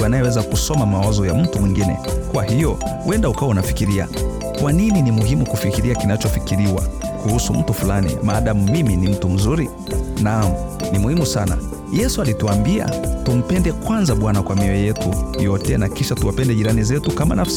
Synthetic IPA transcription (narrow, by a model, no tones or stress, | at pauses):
anajɛwɛzakusɔmamawazɔjam̩tumwiŋɡinɛ̰kwahijɔwʔɛndaukawaunafi̥kiɾia̰ | kwanininimuɦimukufikiɾiakinat͡ʃɔfikiɾiwa̰kuhusum̩tufulanḭmaːɗamumiminim̩tum̩zuɾi | nam̩ | nimuhimusana̰ | jɛsualituambia̰tum̩pɛndɛkwanzaɓwanakwamiɛjɛtujɔtɛnakiʃatuwapɛndɛʄiɾanizɛtukama̰nafsi